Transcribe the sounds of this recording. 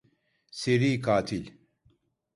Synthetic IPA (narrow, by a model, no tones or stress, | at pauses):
seɾiːkaːt̪ʰil